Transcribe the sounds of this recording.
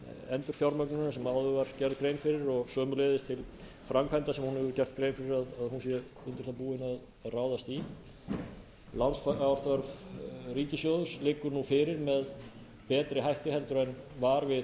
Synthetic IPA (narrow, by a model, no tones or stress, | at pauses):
ɛnt̪ʏɾ̥fjawɾmœknʏnasɛmawðʏvaɾ̥cɛɾðkɾeːjnfɪɾɪɾɔɣsœːmʏleːjðɪst̪ʰɪl | fɾamkvɛnt̪asɛmhunhɛvʏɾcɛr̥t̪̚kɾejnfɪɾɪɾaðaðhunsjɛ | ʏnt̪ɪɾ̥θapuːɪnað | ðraːwðast̪i | lansfawɾθœɾvriːcɪsjoːðʏslɪːkːʏɾnufɪːɾɪɾmɛð | pɛːt̪ɾɪɦajht̪ɪhɛlt̪ʏɾɛn | vaːɾvɪð